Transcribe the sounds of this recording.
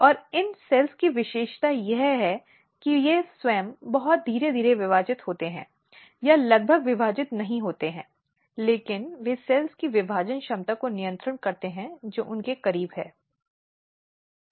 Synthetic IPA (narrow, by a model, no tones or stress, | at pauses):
ɔːɾɪnsɛːlskiʋɪʃeːʃt̪ajɛɦɦɛ | kijeswɛ̃ːmbɐɦɔt̪̚d̪ʱiːɾed̪ʱiːɾeʋɪʋaːd͡ʒɪt̪ɦoːt̪eɦɛ̰̃ː | jalɐɡ̚bʱəɡʋɪbʱaːd͡ʒɪt̪nɐɦĩɦoːt̪eɦɛ̃ː | leːkɪnʋesɛːlskiʋɪbʱaːd͡ʒənʃɐmt̪akonijə̃nt̪ɾəɳkɐɾt̪eɦɛ̃d͡ʒoːʔʊnkekɐɾiːbɦɛ̰ː